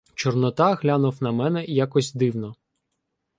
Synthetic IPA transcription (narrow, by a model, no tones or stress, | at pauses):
t͡ʃɔrnɔt̪ɑɦlʲanʊwnɐmɛnɛjakɔsʲd̪ɪwnɔ